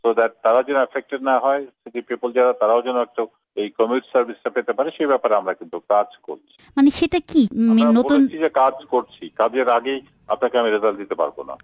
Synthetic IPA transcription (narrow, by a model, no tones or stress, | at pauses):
sod̪ɛʈ̚t̪aɾaod͡ʑɛnoefʰek̚ʈeɖnaɦɔeʃetipepold͡ʑɛɾat̪aɾaod͡ʑɛnoɛk̚ʈo | ejkɔmiʈsaɾbʱisʈapet̪epaɾeʃejbɛpaɾeamɾakint̪ukaɾd͡ʑko̰ɾt͡ɕʰi̥maneʃeʈakimanotount͡ɕʰid͡ʑekad͡ʑkoɾt͡ɕʰikadeɾaɡej | a̰pnakeamiɾizald̪it̪epa̰ɾbo̰na̰